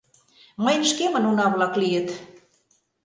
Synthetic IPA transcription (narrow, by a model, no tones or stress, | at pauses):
məjnəʃkemə̆nunɑβlɑklijə̆t̪